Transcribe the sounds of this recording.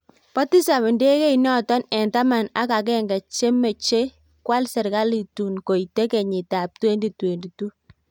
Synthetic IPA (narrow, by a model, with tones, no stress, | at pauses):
pa˦ti˦sa˨mɪ˨nde˦kɛ˦inɔ˦tɔ˦nɛ˨nta˦ma˨na˦ka˨k̬ɛ˦ŋɡa˨t͡ʃe˦me˨t͡ʃe˦ | kwa˦lsɛ˨ɾka˦li˨tu˨nko˨ite˦kɛ˨ɲɪ˨ta˨p̚twe˦ndi˨twe˨ndi˨tu˦